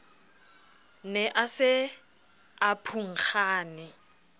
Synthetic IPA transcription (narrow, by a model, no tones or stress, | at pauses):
nɛʔasɪ | apʰuŋ̩χaːnɪ